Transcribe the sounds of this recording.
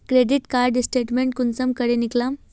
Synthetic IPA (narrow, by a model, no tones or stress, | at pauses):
kɾeɖiʈkaɾɖsʈeʈmeɳʈ̚kunt͡səmkəɽeniklãm